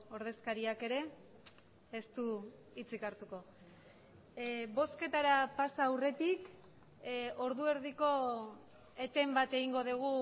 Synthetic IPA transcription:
o̞ɾð̞e̞skaɾiake̞ɾe̞ | st̪u | it͡sikaɾt̪uko̞ | bo̞ske̞t̪aɾapasaːwre̞t̪ik | o̞ɾðue̞ɾðiko̞ | e̞t̪e̞mbat̪e̞ɣiŋɡo̞ð̞uɣ̞u

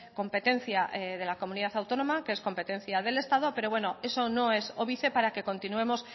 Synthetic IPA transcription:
ko̞mpe̞t̪e̞n̟θjaʔðe̞lako̞mũniðaθawt̪o̞no̞makee̞sko̞mpe̞t̪e̞n̟θjað̞e̞le̞st̪að̞o̞pe̞ɾo̞βweno̞e̞so̞no̞e̞soβiθe̞paɾake̞kõ̞nt̪inue̞mo̞s

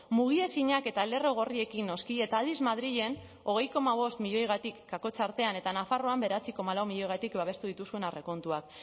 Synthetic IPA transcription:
muɣ̞ie̞siɲake̞t̪aele̞ro̞ɣ̞o̞rie̞kinːo̞skie̞t̪aːld̪izmað̞ɾiʎe̞n | o̞ɣ̞e̞jko̞maβ̞o̞st̪miʎo̞jɣ̞at̪ikːako̞t͡saɾt̪e̞ane̞t̪anafaro̞ambe̞ɾat͡siko̞malawmiʎo̞jɣ̞at̪ikbaβe̞st̪uðit̪usue̞nare̞ko̞nt̪uak

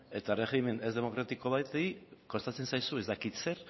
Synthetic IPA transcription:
e̞t̪are̞xime̞ne̞zðe̞mo̞kɾat̪iko̞βajt̪eiko̞st̪at͡se̞nsajsue̞zd̪akit̪se̞ɾ

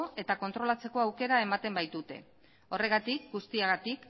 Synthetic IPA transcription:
oe̞t̪ako̞nt̪ɾo̞lat͡se̞ko̞awke̞ɾae̞mat̪e̞mbajt̪ut̪e̞̰ | o̞re̞ɣ̞at̪ikɡust̪iaɣat̪ik

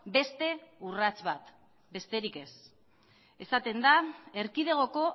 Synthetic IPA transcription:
be̞st̪e̞urat͡sβat̪ | be̞st̪e̞ɾike̞s | e̞sat̪e̞nd̪ae̞ɾkið̞e̞ɣ̞o̞ko̞

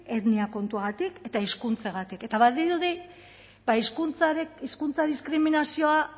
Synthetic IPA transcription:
e̞ðniako̞nt̪uaɣat̪ike̞t̪aiskunt͡seɣ̞at̪ike̞t̪aβaðiðuði | baiskunt͡saiskunt͡saðiskɾiminasio̞a

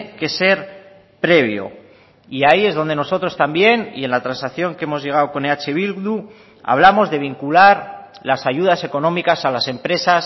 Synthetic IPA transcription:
ke̞se̞ɾ | pɾe̞β̞jo̞̰ | iaie̞zðo̞nd̪e̞no̞so̞t̪ɾo̞st̪ambje̞nḭe̞nlat̪ɾansaθjo̞ŋkeemo̞zʝe̞ɣ̞awko̞neat͡ʃe̞β̞ilɣðu | a̰β̞lamo̞zðe̞β̞iŋkulaɾ | lasaʝuð̞ase̞ko̞nõ̞mikasalase̞mpɾe̞sas

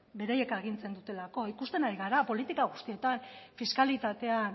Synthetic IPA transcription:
be̞ɾajekaɣ̞int͡se̞nd̪ut̪e̞lako̞ikust̪e̞naɾiɣaɾapo̞lit̪ikaɣ̞ust̪ie̞t̪anfiskalit̪at̪e̞an

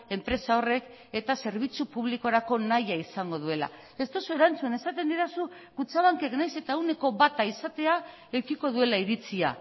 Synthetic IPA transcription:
e̞mpɾe̞sao̞re̞k | e̞t̪ase̞ɾβ̞it͡supuβ̞liko̞ɾako̞najaisaŋɡo̞ð̞ue̞la̰ | e̞st̪o̞so̞e̞ɾant͡sune̞sat̪e̞nd̪iɾasu | kut͡saβ̞aŋke̞knajse̞t̪aewne̞ko̞βat̪aisat̪e̞a | e̞wkiko̞ðue̞laiɾit͡sia̰

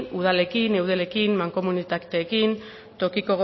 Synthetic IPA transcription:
uð̞ale̞kinewð̞e̞le̞kinmaŋko̞munit̪akt̪eːkin | t̪o̞kiko̞ɣo

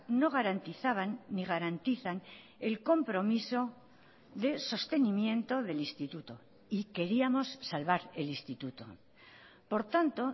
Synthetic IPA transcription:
no̞ɣ̞aɾant̪iθaβ̞anːiɣ̞aɾant̪iθan | e̞lko̞mpɾo̞miso̞ | ðe̞so̞st̪e̞nimjẽ̞nt̪o̞ðe̞list̪it̪ut̪o̞̰ | ike̞ɾiamo̞sːalβaɾe̞list̪it̪ut̪o̞̰ | po̞ɾt̪ant̪o̞

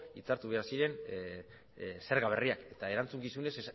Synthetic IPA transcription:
it͡saɾt̪uβe̞aɾsiɾe̞n | se̞ɾɣaβ̞e̞riake̞t̪ae̞ɾant͡suŋkisune̞s

